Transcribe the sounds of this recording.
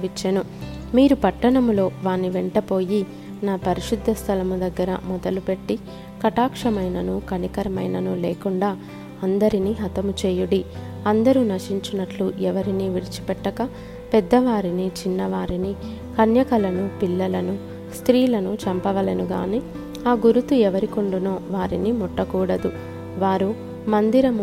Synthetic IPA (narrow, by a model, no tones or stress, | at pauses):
ʋit͡ʃːɐnu | miːɾupɐʈːɐɳɐmulo̞ːʋaːnːiʋeɳʈɐpo̞ːji | naːpɐɾiʃud̪ʱːɐst̪ʰɐlɐmud̪ɐɡːɐɾɐ̰mɔd̪ɐlupe̞ʈːi | kɐʈaːkʂɐmɐjnɐnukɐnikɐɾɐmɐjnɐnuleːkuɳɖaː | ɐnd̪ɐɾiniːɦɐt̪ɐmut͡ʃeːjuɽi | ɐnd̪ɐɾunɐʂiɲt͡ʃunɐʈluʔɛʋɐɾiniːʋiɽit͡ʃi̥pɛʈːɐkɐ | pɛd̪ːɐʋaːɾinit͡ʃinːɐʋaːɾini | kɐnjɐkɐlɐnupilːɐlɐnu | st̪ɾiːlɐnut͡ʃɐmpɐʋɐlenuɡa̰ːniː | aːɡuɾut̪uɛʋɐɾikuɳɖunoːʋaːɾinimɔʈːɐkuːɽɐd̪u | ʋaːɾu | mɐnd̪iɾɐm